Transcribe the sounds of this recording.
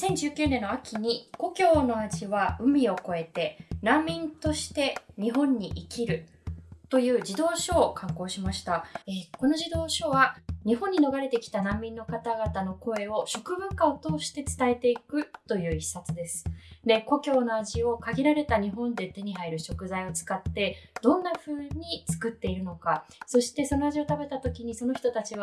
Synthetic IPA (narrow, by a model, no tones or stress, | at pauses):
sẽ̞ɲ̟d͡ʑɨːkʲɨːnenːo̞akʲʰiɲ̟iko̞kʲo̞ːno̞aʑiβaɯ̟mʲio̞ko̞e̞t̪e̞nãmːʲĩnt̪o̞ɕi̥t̪e̞ɲ̟iɦõ̞ɲ̟ːiʔikʲiɾɯ̟ | t̪o̞jɯ̟ːd͡ʑid̪o̞ːɕo̞ːkʰãŋko̞ːɕimaɕi̥t̪aeko̞no̞ʑid̪o̞ːɕo̞βaɲ̟iɦõ̞ɲ̟ːino̞ɡaɾe̞t̪e̞kʲi̥t̪anãmʲːĩnːo̞kat̪aɡat̪ano̞ko̞e̞o̞ɕo̞kɯ̟bɯ̟kao̞t̪o̞ːɕi̥t̪e̞t͡sɨ̥t̪ae̞t̪e̞ikɯ̟t̪o̞jɯ̟ːisat͡sɨd̪e̞sɨ̥d̪e̞ko̞kʲo̞ːno̞aʑio̞kaɡʲiɾaɾe̞t̪aɲ̟iɦõ̞nd̪e̞t̪e̞ɲ̟iɦaiɾɯ̟ɕo̞kɯ̟zaio̞t͡sɨ̥kat̪ːe̞d̪̥õ̞nːaɸɯ̟ːɲ̟it͡sɨ̥kɯ̟t̪ːe̞iɾɯ̟no̞kaso̞ɕi̥t̪e̞so̞noaʑio̞t̪abe̞t̪at̪o̞kʲiɲ̟iso̞no̞çi̥t̪ot̪at͡ɕiβa